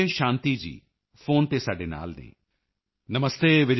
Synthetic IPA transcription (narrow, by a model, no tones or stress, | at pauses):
eʃãːnt̪iːd͡ʑḭː | foːnt̪eːsaːɖeːna̰ːlnḛː | nəməst̪eːʋɪd͡ʒ